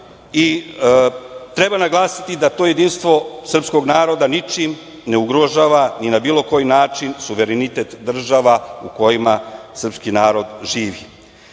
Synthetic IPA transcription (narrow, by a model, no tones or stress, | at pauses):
i | t̪ɾe̞banaɡlˠaːsi̥t̪id̪at̪o̞ːje̞d̪inst̪ʋo̞sr̩psko̞ɡnaːɾo̞d̪anit͡ʃim | ne̞uɡɾo̞ʒaːʋaninabiːlo̞ko̞jinaːt͡ʃinsuʋe̞ɾenit̪e̞t̪d̪r̩ʒaʋauko̞jimasr̩pskinaːɾo̞d̪ʒiːʋi